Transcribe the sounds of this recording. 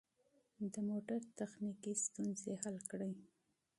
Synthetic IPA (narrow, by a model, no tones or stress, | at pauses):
d̪əmoʈaɾt̪axnikist̪unzehalkɽəj